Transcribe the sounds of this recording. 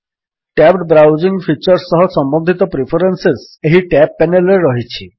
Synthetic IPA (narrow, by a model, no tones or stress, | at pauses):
ʈɛpʈbɾawd͡ʒiŋpʰit͡ʃɔɾsːɔɦɔsɔmbɔnd̪ʱit̪ɔpɾipʰɔɾenses | eɦiʈɛpːɛnelɾeɾɔɦit͡ʃʰi